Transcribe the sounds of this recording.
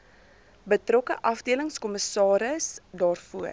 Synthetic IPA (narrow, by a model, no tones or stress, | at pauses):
bətrɔkəʔɐfdiələŋskɔməsɑːɾəsdɑːrfuər